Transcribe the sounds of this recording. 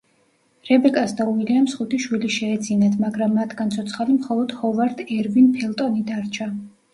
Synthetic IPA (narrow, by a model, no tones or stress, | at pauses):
ɾɛbɛkʼasd̪auiliamsχut̪ʰiʃwiliʃɛːd̪zinat̪ʰmaɡɾamːat̪ʰɡ̥ant̪sʰɔt̪sʰχalimχɔlˠɔd̪̥hɔvaɾd̪ɛɾvinpʰɛlˠt̪ʼɔnid̪aɾt͡ʃʰa